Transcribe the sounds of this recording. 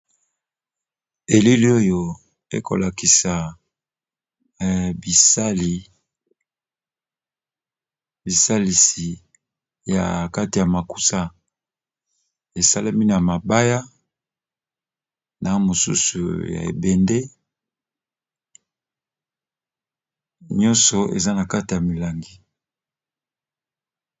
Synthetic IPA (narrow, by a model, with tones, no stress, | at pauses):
e˨li˦li˦o˦jo˨ | ḛ˦ko̰˨la˨ki˨sa˨ | bsa˦li˨ | bi˨sa˦li˨si˨ | ja̰˨ka˦ti˨ja˨ma˨ku̥˦sa˦ | e˨sa˦la˦mi˦na˨ma˨ba˦ja˦ | na˨mo˨sṵ˦su˨ja̰˨ḛ˨bɛ˨nde˦ | ɲɔ˦nsɔ˨ḛ˨za˦na˨ka˦ti˨ja˨mi˨la˨ŋɡi˦